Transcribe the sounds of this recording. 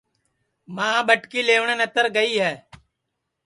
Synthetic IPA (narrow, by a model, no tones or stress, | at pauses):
mãːɓəʈkiːleːʋɳənət̪əɾɡəiːɦɛː